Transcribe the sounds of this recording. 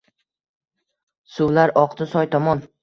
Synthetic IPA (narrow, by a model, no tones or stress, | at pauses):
sʊwlaɾɒqt̪ɪsɒjt̪ʰɒmɒn